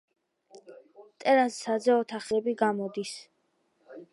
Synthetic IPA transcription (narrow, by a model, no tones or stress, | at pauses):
t̪ʼɛɾasːad̪zɛɔt̪ʰaχɛbiɡamɔd̪is